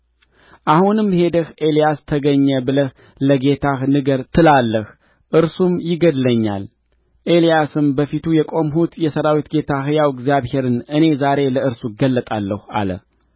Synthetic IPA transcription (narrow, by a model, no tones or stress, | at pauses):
ʔahunɨmhe̞d̪əhʔe̞lijast̪ʰəɡəɲːəbɨləh | ləɡe̞t̪ʰahnɨɡəɾt̪ʰɨlalːəh | ʔɨɾsumjɪɡəd̪ləɲːa̰l | ʔe̞lijasɨmbəfit̪ʰujɛkʼo̞mɦut̪jɛsəɾawit̪ɡe̞t̪ʰahjawɪɡzjaβhe̞ɾɨnʔɨne̞zaɾe̞ləɨɾsuɡəlːət̪ʼalːəha̰lə̰